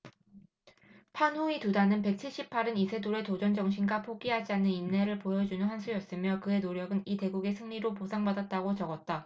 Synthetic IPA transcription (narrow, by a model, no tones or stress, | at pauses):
pʰanɦuitudanɯnpe̞k̚t͡ɕʰiɭɕ͈ipʰaɾɯnisʰe̞doɾe̞tod͡ʑʌnd͡ʑʌŋɕʰinɡapʰoɡiɦad͡ʑianːɯninːe̞ɾɯɭpojʌd͡ʑunɯnɦansʰujʌs͈ɯmjʌkɯe̞noɾjʌɡɯnite̞ɡuɡe̞sʰɯŋɲiɾoposʰaŋbadat̚t͈aɡot͡ɕʌɡʌt̚t͈a